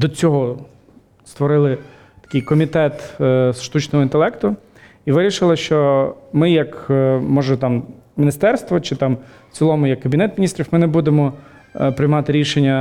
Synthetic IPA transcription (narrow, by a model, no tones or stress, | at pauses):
d̪ɔt͡sʲɔɦɔ | st̪ʋɔɾɪlˠɪ | t̪ɐ̥kɪjkɔmʲit̪ɛt̪sʃt̪ut͡ʃnɔɦɔint̪elˠɛkt̪ʊ | iʋɪɾʲiʃɪlˠɪʃt͡ʃɔmɪjɐkmɔʒɛt̪ɑmmʲnʲɪst̪ɛrst̪ʋɔt͡ʃɪt̪ɑm | t͡sʲilˠɔmʊjɐkːɐbʲnɛt̪mʲnʲist̪ɾʲiwmɪnebud̪emɔ | pɾɪjmɑt̪ɪɾʲiʃenʲːɐ